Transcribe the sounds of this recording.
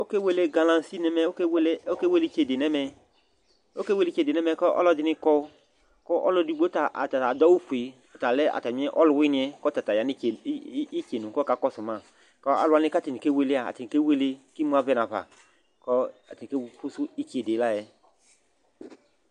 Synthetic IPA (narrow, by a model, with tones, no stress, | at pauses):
o˦ke˦we˨˧le˦ɡa˧lã˨si˦nɛ˧mɛ˧˦o˦kwlo˦ke˦we˦li˦ke˨de˨nɛ˦mɛ˧ | o˦ke˦we˧li˦t͡ʃe˧˨de˨nɛ˦mɛ˧kɔ˦ʔɔ̰˦lɔ˧˦di˧ni˧kɔ˦ | kɔ˦ʔɔ˦lɔ˧di˧˦ɡ͡bo˦ta˨ʔta˨ta˨dɔ˦u˦fu˨i˨ | ɔ˨ta˨lɛ˦a̰˨ta˨mi˦ɛ˦ʔɔ˦lu˨wi˦nĩ˧ɛ˦kɔ˦ta˨ta˨ja˨˦i˦˨˦i˦ke˨nũ˨kɔ˦ka˨˦kɔ˦su˨ma˨ | kɔ˦a̰˦lu˦a˧ni˧ka˦ti˨ni˨ke˦we˧le˦a̰˨ti˨ke˦we˧le˧ki˦mũ˦a˧vɛ˦na˨va̰˨ | kɔ˦a˨ti˨ke˦pu˦su˦i˦ke˨de˨˦la˦˨jɛ˦